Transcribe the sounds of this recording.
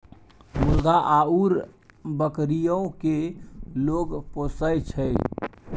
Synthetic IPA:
mulɡ̪aʔauɾ | bəkɾijəõkeloɡposəjt͡ʃʰəj

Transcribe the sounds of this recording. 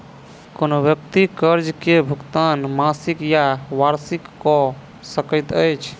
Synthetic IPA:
konobjəkt̪ikəɾd͡ʒkebʱukt̪anmasikjaʋaɾsikːɔ | səkəɪt̪əjt͡ʃʰ

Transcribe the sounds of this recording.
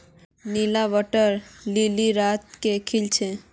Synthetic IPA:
nilaʋəʈəɾliliɾaːt̪̚kekʰilt͡ʃʰe

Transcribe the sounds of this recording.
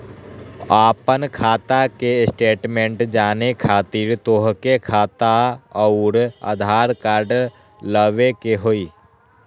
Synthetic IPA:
aːpənkʰaːt̪akesʈeːʈmẽɳʈd͡ʒaːnekʰaːt̪iːɾt̪oːɦkekʰaːt̪aəʊɾə̰d̪ʱaːɾkaːɾɖ | ləʋekeɦoiː

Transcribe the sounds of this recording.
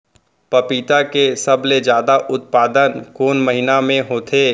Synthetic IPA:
pɐpiːt̪akesɐbled͡ʒjaːd̪aʔʊt̪̚paːd̪ənkoːnməɦɪnamẽɦoːt̪ʰeː

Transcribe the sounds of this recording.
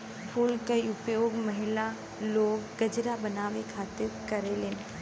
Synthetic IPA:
pʰuːlkɐiʊpjoːɡmɐɦɪla | loːɡːɐd͡ʒɾabɐnaːʋekʰaːt̪ɪɾkɐɾelɪn

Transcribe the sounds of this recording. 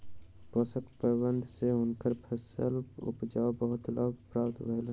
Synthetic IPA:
pɔːsəkpəbənd̪ʱseʊnkəɾpʰəsəlʊ̰pd͡ʒaːobəɦʊt̪lʔaːɡpɾaːpt̪ʋəɦɪl

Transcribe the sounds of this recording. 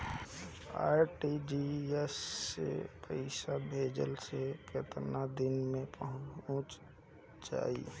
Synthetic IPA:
a̰ːɾʈid͡ʒiɛsːḛpʰəɪsabʱeːd͡ʒə̰lseket̪nad̪ɪnmẽpəɦʊ̃t͡ʃ | d͡ʒa̰ːḭ

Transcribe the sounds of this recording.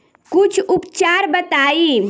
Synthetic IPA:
kut͡ʃʰupt͡ʃaɾbət̪ai

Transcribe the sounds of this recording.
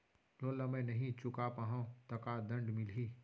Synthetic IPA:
noːlɐmẽnɐɦĩt͡ʃʊkapəɦõt̪ɐkad̪ɐ̃ɳɖmɪliː

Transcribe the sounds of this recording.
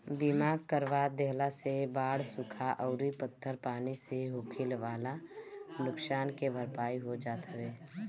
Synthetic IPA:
bimaːɡkəɾʋaːd̪eɦlasebaːɽsʊkʰaʔəʊɾipət̪ʰːəɾpaːniseɦʊːkʰɪlʋaːlanʊksaːnkebʱəɾpaːiɦod͡ʒaːt̪ʰaʋeː

